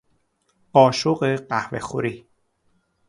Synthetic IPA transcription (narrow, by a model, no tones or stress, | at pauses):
ɒːʃoɢeɢæhvḛxo̰ɾiː